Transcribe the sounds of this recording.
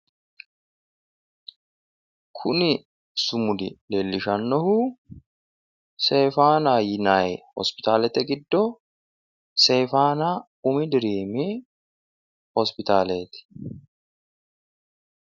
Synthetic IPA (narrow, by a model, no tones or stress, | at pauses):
kʰʊnɪ | sʊmʊd̪ɪleːlːɪʃɐnːɔhuː | se̞ːfaːnaːjɪnaːjhɔ̰spɪ̥t̪aːlɛt̪ɛɡɪd̪ːɔ | se̞ːfaːnaː | ʊmɪd̪ɪɾiːmiː | hɔspɪt̪aːleːt̪ɪ̥